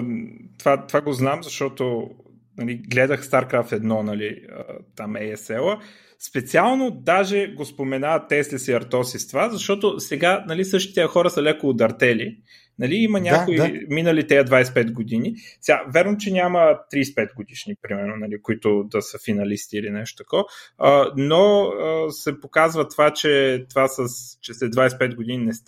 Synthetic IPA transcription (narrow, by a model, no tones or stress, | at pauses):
t̪vat̪ovaɡoznamzɐʃt̪ɔt̪o | nɐliɡlɛd̪əxst̪aɾkɾaft̪ɛd̪nɔnɐliə̰t̪amɛɛsɛlˠə | spɛt̪sialˠnod̪aʒɛɡospomɛnaət̪ːɛslʲɛsiɐɾt̪ɔsist̪vazɐʃt̪ɔt̪osɛɡanɐlisɤʃt̪i̥t̪ɛjxɔɾəsɐlɛkoːd̪ɐɾt̪ɛli | nɐliimɐnʲaakoiminəlit̪ɛəd̪vajspɛd̪ɡod̪inisɛɡavʲjaɾnot͡ʃɛnʲamət̪ɾiːspɛt̪̚ɡod̪iʃnipɾimɛɾnonɐlikoit̪ʊd̪ɐsəfinɐlist̪iːlinɛʃt̪o̥t̪ɐ̥kɔvənoəsɛpokazvət̪vat͡ʃɛt̪vasəst͡ʃɛsɛd̪vajsɛ̥pɛt̪̚ɡod̪ininɛs